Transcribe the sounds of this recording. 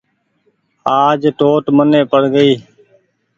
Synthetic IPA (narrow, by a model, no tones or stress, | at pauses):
aːd͡ʒʈoːʈməneːpəɽɡəiː